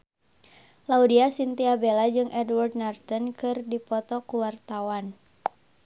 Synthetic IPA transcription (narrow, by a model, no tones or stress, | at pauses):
laudiasint̪iabelad͡ʒɨŋʔɛdward̚nart̪ɔnkɨrdipɔt̪ɔkuwart̪awan